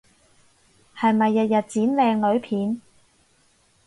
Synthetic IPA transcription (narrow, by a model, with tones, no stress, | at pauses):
hɐ˨jmɐ˨jːɐ˨t̚jɐ˨t̚t͡siː˨˥nlɛː˨˧ŋlɵ˨˧ɥpʰiː˨˥n